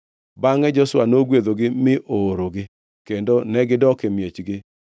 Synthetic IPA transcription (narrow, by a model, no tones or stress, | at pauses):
baŋɛd͡ʒɔswanoɡweðoɡɪmɪʔoɾoɡɪ | kendonɛɡɪdɔkemjet͡ʃɡɪ